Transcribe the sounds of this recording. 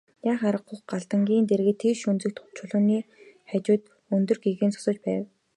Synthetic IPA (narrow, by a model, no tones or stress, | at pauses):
jaːχaɾə̆qχʊχɢaɮt̪ə̆ŋɡʲiːnt̪erɣɘ̆t̪ʰːeʃunt͡sɘ̆k̚t̪χʊ̥t͡ɕʰʊ̆ɮʊ̆niːχæt͡ɕʊːt̪ | ɵnt̪ɵ̆rɡeɣeːnt͡sʰʊ̥sə̆t͡ɕpæːw